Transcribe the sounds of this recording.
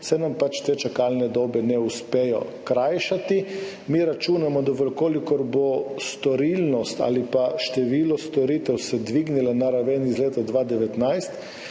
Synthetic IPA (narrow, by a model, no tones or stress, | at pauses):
sɛnampat͡ʃt̪eːt͡ʃakalnɛd̪ɔːbɛnɛuspeːjɔ̰kɾajʃat̪i | miɾat͡ʃuːnamɔd̪ɔʋəɾkoːlikɔɾbost̪ɔɾilnɔst̪a̰lipaʃt̪ɛʋiːlɔst̪ɔɾiːt̪ɛwsɛd̪ʋiɡnilanaɾaʋɛnizleːt̪ad̪ʋaːd̪ɛʋɛt̪najst̪